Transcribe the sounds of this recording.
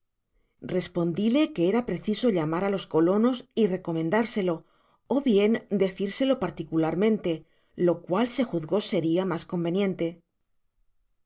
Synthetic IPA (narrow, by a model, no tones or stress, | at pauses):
re̞spo̞nd̪ile̞ke̞e̞ɾapɾe̞θiso̞ʎamaɾalo̞sko̞lo̞no̞sire̞ko̞mẽ̞nd̪aɾse̞lo̞ | oβje̞nd̪e̞θiɾse̞lo̞paɾt̪ikulaɾmẽ̞nt̪e̞ | lo̞kwalse̞xuðɣo̞se̞ɾiamasko̞mbe̞njẽ̞nt̪e̞